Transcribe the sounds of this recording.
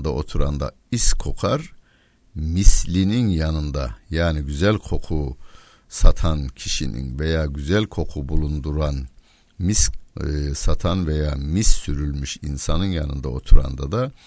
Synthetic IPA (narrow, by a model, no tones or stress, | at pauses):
nd̪aʔo̞t̪ʰuɾand̪a̰ | iskʰo̞kʰaɾ | mislʲininjanɯnd̪a̰jaːniɟyzælʲkʰo̞kʰu | sat̪ʰancʰiʃḭnḭnve̞jaːɟyzælʲkʰo̞kʰubulˠund̪uɾan | mis | sat̪ʰanve̞jaːmisːyɾylʲmyʃinsanɯnjanɯ̰nd̪a̰o̞t̪ʰuɾa̰nd̪ad̪a